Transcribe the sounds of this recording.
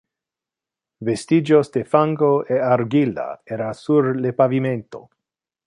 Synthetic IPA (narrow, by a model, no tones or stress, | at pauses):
vest̪id͡ʒosd̪efaŋɡoʔeaɾɡila̰eɾasuɾlepaviment̪o̞̰